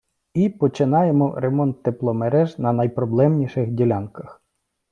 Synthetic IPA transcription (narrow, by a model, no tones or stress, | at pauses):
ipɔt͡ʃɪnɑjemɔɾemɔnt̪ːeplˠɔmeɾɛʒnɐnɐjpɾɔblˠɛmnʲiʃɪxdʲilʲɑnkɐx